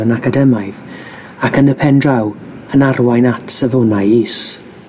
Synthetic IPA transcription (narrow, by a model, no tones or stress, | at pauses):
ənakʰadɛmajð | akʰənəpʰɛndraw | ənarwajnatʰsəvʊnajis